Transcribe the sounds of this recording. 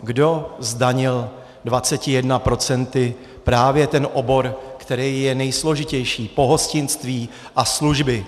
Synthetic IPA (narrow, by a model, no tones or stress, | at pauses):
ɡdo̞zdaɲɪl | dvat͡sɛcɪjɛdnapɾo̞t͡sɛnt̪ɪ | pɾaːvjɛt̪ɛnʔo̞bo̞ɾkt̪ɛɾɛjjɛnɛjslo̞ʒɪcɛjʃiːpo̞ɦo̞scɪnst̪viː | ʔasluʒbɪ